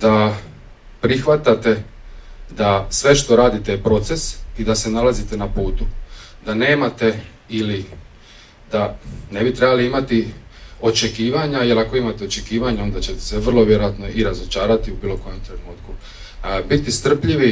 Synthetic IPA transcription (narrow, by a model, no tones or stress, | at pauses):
d̪a | pɾixʋat̪at̪e̞ | d̪asʋe̞ʃt̪o̞ɾaːd̪it̪ejepɾo̞t̪se̞sid̪ase̞nalazit̪e̞napuːt̪u | d̪ane̞ːmat̪e̞ | ili | d̪ane̞bit̪ɾe̞baliimat̪i | o̞t͡ʃe̞kiːʋaɲaje̞lako̞imat̪e̞o̞t͡ʃe̞kiːʋaɲao̞nd̪at͡ɕe̞t̪e̥seʋr̩lˠo̞ʋjeɾojat̪no̞iɾazo̞t͡ʃaːɾat̪iubiːlo̞ko̞jo̞mt̪ɾe̞nuːt̪ku | bit̪ist̪r̩pʎiʋi